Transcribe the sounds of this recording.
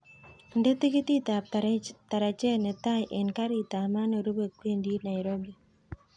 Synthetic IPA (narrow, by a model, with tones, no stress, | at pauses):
nde˦ti˦ki˦t̪i˦ta˨p̚taɾta˨ɾa˨t͡ʃe˦ne˨ta˦jʔe˨nka˦ɾi˨ta˨ma˦no˨ɾu˦be˨kwe˦ndi˦na˨jɾo˦bi